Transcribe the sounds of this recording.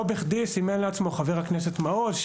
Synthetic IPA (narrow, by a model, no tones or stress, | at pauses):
obeχd̪isimenleat͡smo̞χaveʁhaknes̬et̪maodʃ